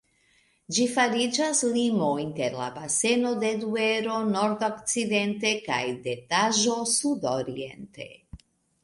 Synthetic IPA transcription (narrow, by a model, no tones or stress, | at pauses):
d͡ʒifaɾid͡ʒaslimo̞jinteɾla̰base̞no̞de̞due̞ɾo̞no̞ɾdokt͡side̞nte̞ka̰jde̞taʒo̞sudoɾḭe̞̰nte̞̰